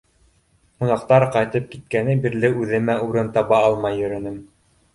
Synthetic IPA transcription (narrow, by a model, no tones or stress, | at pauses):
hŭnɑqt̪ɑɾqɑjt̪ɤp̚kit̪̚kænɘbiɾlɘʉðɘ̆mæuɾɤnt̪ɑβɑɑlˠmɑjːɵ̆ɾɵ̆nɘm